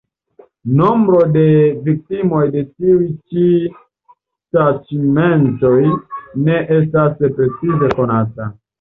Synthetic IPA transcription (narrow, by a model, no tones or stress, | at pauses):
no̞mbɾo̞de̞vik̚timo̞jde̞tiujt͡ʃi | sat͡ʃime̞nto̞jne̞ʔe̞s̬taspɾe̞t͡size̞ko̞nata